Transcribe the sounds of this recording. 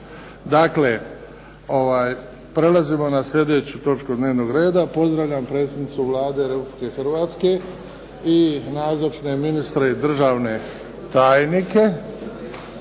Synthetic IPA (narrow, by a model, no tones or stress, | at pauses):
d̪akle̞ | o̞ʋaːj | pɾe̞lazimo̞naslʎʲe̞d̪e̞t͡ɕut̪o̞t͡ʃkud̪ne̞ːʋno̞ɡɾe̞ːd̪apo̞zd̪ɾaʋʎʲampɾe̞t̪sed̪nit̪suʋlˠaːd̪e̞ɾepublike̞xrɾʋaːt̪ske̞ | inaːzot͡ʃne̞minist̪ɾe̞id̪r̩ʒaːʋne̞ | t̪aːjnike̞